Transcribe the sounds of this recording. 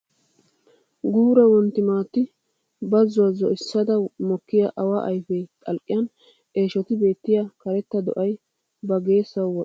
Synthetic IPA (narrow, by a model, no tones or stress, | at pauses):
ɡuːɾɐwɔnt̪ːɪmaːt̪ːɪ | bɐzːʊwɐzɔʔɪsːɐd̪ɐmɔkːɪjaʔɐwaʔɐjfɛjt̪ʼɐlkʼːɪjɐn | ʔe̞ːʃɔt̪ɪbe̞ːt̪ːɪjakɐɾɛt̪ːɐd̪ɔ̰ʔɐj | bɐɡe̞ːsːɐwɔ